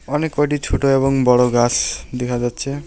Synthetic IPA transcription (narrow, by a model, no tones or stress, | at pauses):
ɔnekːɔʈit͡ʃʰuʈoebɔŋbɔɽoɡasd̪ekʰad͡ʒatːsʰe